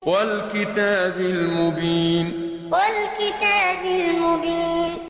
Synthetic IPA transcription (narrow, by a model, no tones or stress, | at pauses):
walkɪt̪aːbɪlmʊbiːn | walkɪt̪aːbɪlmʊbiːn